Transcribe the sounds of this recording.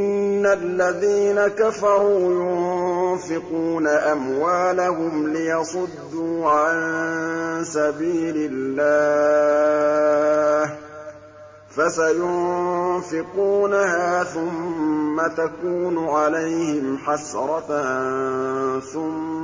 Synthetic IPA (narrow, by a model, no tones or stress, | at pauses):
ʔɪnnːalːaðiːnakafɑɾˤuːjʊnfɪquːnaʔamwaːlahʊmlɪjɑsˤʊd̪ːuːʕan | sabiːlɪlːaː | h | fasajʊnnfɪquːnahaːθʊmːat̪akuːnʊʕalejhɪmħasɾˤɑ | θʊmːa